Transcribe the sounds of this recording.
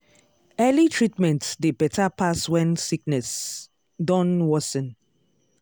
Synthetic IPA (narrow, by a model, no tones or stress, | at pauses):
ɛlitʰɹitmɛ̃ntdebɛtapʰaswɛ̃nsik̚nɛs | dɔ̃nwɔsɔ̃n